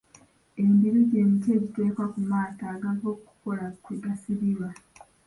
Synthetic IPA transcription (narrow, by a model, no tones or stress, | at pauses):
e̞mbiɾiɟe̞ːmice̞ːɟite̞ːkwakumaːtaːɡaɡo̞ːku̥ko̞lakudasiβiβa